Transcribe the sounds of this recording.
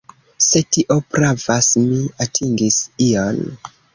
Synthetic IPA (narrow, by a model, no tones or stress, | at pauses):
se̞tiʔo̞pɾavasmiatʰiŋɡision